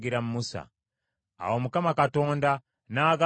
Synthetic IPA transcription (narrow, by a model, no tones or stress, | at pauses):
ɡiɾamumusa̰ | a̰womukamakato̞ːnda | naːɡa